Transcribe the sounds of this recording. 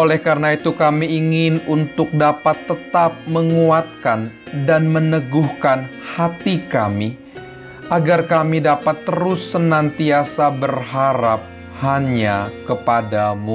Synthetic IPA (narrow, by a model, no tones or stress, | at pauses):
ʔolɛhkaɾənait̪ukamiiŋɪnunt̪ʊk̚dapat̪ːət̪ap̚məŋuat̪̚kan | danmənəɡuhkanhat̪ika̰mi | ʔaɡarkamidapat̪ːəɾʊsːənant̪iasabərhaɾap̚ | haɲakəpadamu